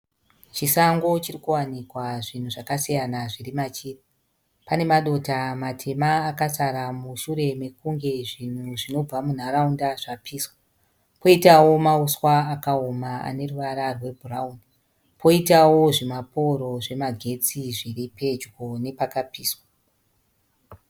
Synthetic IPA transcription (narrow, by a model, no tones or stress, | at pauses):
t͡ʃisaŋɡo̞t͡ʃirikuwanikwaʐin̤uʐakasijanaʐirimat͡ʃiːri | pane̞maɗo̞tamatʰe̞maːkasaɾamuʃuɾe̞me̞kuŋɡe̞ʐin̤uʐino̞b͡vamun̤aɾaundaʐapʰiːswa | po̞itawo̞mauswaːkaomaa̰ne̞ruʋaɾarwe̞bʱurauni | pʰo̞itawoʐemapoɾo̞ʐe̞maɡʱe̞t͡siʐiripe̞d͡ʒɡone̞pakapiːswa